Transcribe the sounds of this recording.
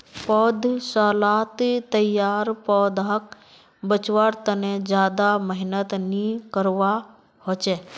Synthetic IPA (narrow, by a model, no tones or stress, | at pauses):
pɔːd̪saːlaːt̪t̪əjaːɾpɔːd̪ɦək | bət͡ʃʋaɾt̪ənẽd͡ʒjaːd̪aməɦɪnət̪nikəɾʋa | hoːt͡ʃeː